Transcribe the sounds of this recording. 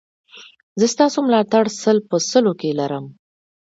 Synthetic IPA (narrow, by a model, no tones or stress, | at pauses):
zəst̪ɑsomlɑt̪aɽsəlpəsəlokelaɾəm